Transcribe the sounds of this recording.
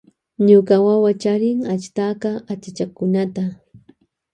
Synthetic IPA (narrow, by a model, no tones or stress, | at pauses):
ɲʊkawawat͡ʃaɾɪŋat͡ʃt̪aːkaat͡ʃat͡ʃakʊnat̪a